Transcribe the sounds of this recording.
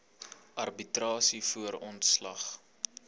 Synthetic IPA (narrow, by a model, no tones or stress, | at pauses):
ʔɐrbitrɑːsifuəɾɔntslɐχ